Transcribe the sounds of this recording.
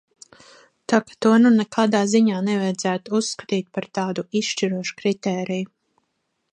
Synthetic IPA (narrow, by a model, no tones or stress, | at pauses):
t̪akḁt̪uɔnunɛkaːd̪aːziɲaːnɛvajd̪zæːt̪uusːkḁt̪iːt̪̚paɾt̪ɑːd̪uisʃt͡ʃiɾuɔʃu̥kɾit̪ɛːɾiju